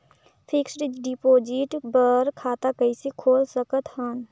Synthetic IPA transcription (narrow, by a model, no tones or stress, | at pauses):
pʰɪksɖɖipoːd͡ʒɪʈbəɾkʰaːt̪akəisekʰoːlsəkət̪ɦəːn